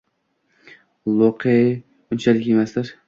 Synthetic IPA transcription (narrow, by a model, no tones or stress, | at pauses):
lˠoqʰe | ʊnt͡ʃʰalɪkʲjemasd̪ɪɾ